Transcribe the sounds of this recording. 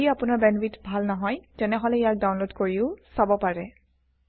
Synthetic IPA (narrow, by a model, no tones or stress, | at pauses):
iapʊnaɹbɛnbitbʱalnɔɦɔjtɛnɛɦɔlɛijak̚dawnlodkoɹiʊsabɔpaɹɛ